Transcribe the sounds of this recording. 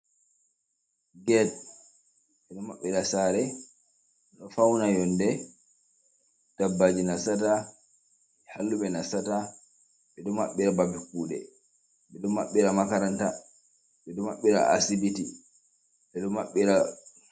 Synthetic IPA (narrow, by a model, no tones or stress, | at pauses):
ɡɛd̚ | ɓɛɗɔmaɓːiɾasaɾɛ | ɛɗɔfawnajɔndɛ | d̥abːad͡ʒinasata | ɛhalːuɓɛnasata | ɓɛdumːaɓːiɾababikːuːɗɛ̰ | ɓɛɗɔmaɓːiɾamakaɾanta | ɓɛdumaɓːiɾa̰ʔa̰sibiti | ɓɛɗɔmaɓːiɾa